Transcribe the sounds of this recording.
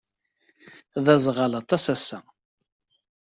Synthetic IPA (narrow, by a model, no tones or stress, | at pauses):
ðæzʁɑlɑt̪ˤɑsæsːæ